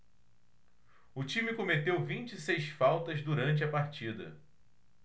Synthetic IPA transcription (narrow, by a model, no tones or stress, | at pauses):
ʊt͡ʃĩmɪkomet̪ewvĩnt͡ʃisejsfawt̪ɐzd̪uɾɐ̃nt͡ʃɪɐpaɾt͡ʃid̪ɐ̰